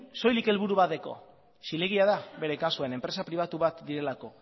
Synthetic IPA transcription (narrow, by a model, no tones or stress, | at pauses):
so̞jlike̞lβuɾuβaðe̞ko̞̰ | sileɣ̞iaðaβe̞ɾe̞kasue̞ne̞mpɾe̞sapɾiβ̞at̪uβat̪d̪iɾe̞lako̞